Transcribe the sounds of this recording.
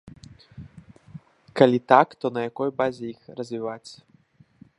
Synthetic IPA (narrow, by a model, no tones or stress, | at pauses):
kalʲit̪akt̪ɔnɐjakɔjbazʲɛixrɐzʲvʲivat͡sʲɐ